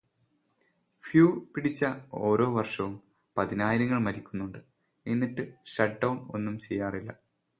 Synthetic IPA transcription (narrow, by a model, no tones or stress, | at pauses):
fjuːpiɽit͡ɕːɐo̞ːɾo̞ːʋɐrʂɐʋum | pɐðinaːjiɾɐŋːɐɭmɐɾikʲːunːuɳɖɨ | enːiʈːɨɕɐʈ̚ɖɐwno̞̰nːumt͡ɕejːaːrilːɐ̰